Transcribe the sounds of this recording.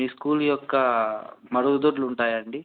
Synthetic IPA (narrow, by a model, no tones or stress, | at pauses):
miːskuːljɔkːɐmɐɾuud̪uːɾluɳʈaːjɐɳɖi